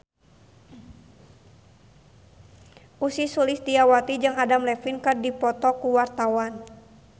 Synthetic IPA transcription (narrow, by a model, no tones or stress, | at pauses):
ʔusisulisdiawat̪id͡ʒɨŋadamlɛfinkɨrdipɔt̪ɔkuwart̪awan